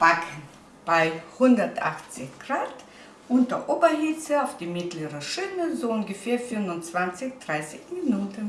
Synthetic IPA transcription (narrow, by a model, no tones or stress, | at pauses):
b̥akʰən | b̥aɪhʊndɐtʔaχt͡sɪçɡ̥ʁaːt | ʔʊntɐʔoːbɐhit͡səaʊfd̥iːmɪtləʁəʃɪnəzoʊnɡəfɛːɐfʏnvʊnt͡sv̥ant͡sɪçd̥ʁaɪsɪçminuːtən